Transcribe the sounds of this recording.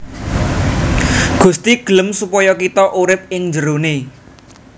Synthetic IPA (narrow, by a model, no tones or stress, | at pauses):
ɡ̥ṳst̪iɡ̥ə̤ləmsupɔjɔkit̪ɔʔuɾɪp̚ɪŋd͡ʒəɾone